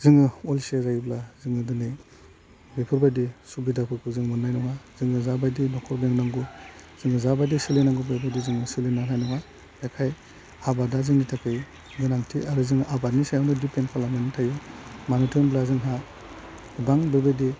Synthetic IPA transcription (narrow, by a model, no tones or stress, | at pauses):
ziŋɯɔlsiazajiblaziŋɯdɯni | bepʰɯɾbajdisubidapʰɯkʰuziŋmunːajnɔŋaz̥iŋɯzabajdinɔkʰɔɾbeŋnaŋɡuz̥ɯŋɯzabajdisilinaŋɡubepʰɔdiziŋɯsilinanajnɔŋa | bekʰaj | abadaziŋnitʰakʰɯj | ɡɯnaŋtʰiaɾɯziŋɯʔabadnisajawnɯdipʰenkʰalamenitʰajumanutʰinblaziŋɦa | baŋbebejdi